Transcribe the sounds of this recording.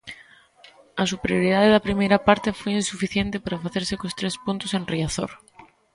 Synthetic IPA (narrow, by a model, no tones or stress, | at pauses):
asupeɾjoɾið̞aðeðapɾimejɾapaɾt̪efojinsufiθjent̪epaɾafaθeɾsekost̪ɾespunt̪osenriaθo̰ɾ